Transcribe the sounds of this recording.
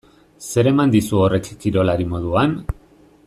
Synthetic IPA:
se̞ɾe̞mand̪isuo̞re̞kːiɾo̞laɾimo̞ðuan

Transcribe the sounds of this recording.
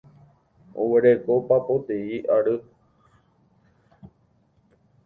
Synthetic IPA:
o̰weɾekopapot̪eiʔaɾɨ

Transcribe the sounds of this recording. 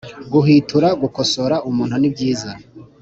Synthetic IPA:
ɡuɦitʰuɾaɡuko̞so̞ɾaʔumuːn̥hunibɟiːza

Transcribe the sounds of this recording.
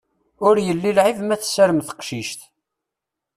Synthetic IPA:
ʊɾjəlːilʕivmæθsæɾəmθə̥qʃiʃt̪

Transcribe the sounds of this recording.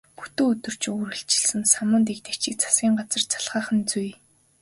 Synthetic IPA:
pu̥t̪uːɵt̪ɵ̆r̥t͡ɕuɾɣɘ̆ɬt͡ɕɪ̥̆ɮsɘ̆nsamə̆nt̪ek̚t̪e̥kt͡ɕɪ̆k̚t͡sʰḁsɡʲiːŋɢat͡sə̆rt͡sʰḁɮʁaːχə̆nt͡suj

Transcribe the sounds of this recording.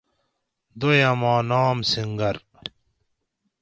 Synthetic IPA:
d̪ojɐmaːnaːmsiŋɡɐɾ

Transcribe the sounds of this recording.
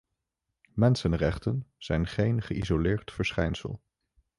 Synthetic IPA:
mɛnsənrɛχtənz̥ɛjnχejnχəʔḭzolɪːɹtfəɹsχɛjnsə̰lˠ

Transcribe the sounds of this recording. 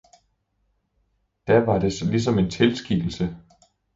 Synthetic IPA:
d̥æʋɑ̈ɾ̥e̝slis̬ɒ̽me̝nt͡sʰe̝lsɡ̥ḭl̩sə

